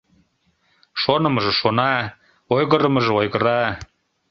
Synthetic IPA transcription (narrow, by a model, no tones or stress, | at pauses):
ʃonɤ̆mɤ̆ʒɤ̆ʃonɑ | ojɣɤ̆ɾɤ̆mɤ̆ʒĕojɣɤ̆ɾɑ